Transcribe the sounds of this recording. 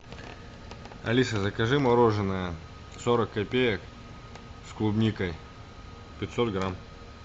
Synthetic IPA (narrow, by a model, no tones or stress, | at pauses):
ɐ̰lʲisəzɐkɐʐɨmɐɾoʐɨnəjə | soɾəkːɐpʲejək | sklˠʊbnʲikəj | pʲɪt̪sot̪ɡɾam